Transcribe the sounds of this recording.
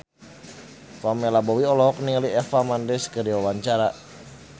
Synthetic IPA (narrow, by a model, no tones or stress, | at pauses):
famɛlabɔwiɔlɔɔk̚niŋliɛfamandɛskədiwawaɲt͡ʃaɾa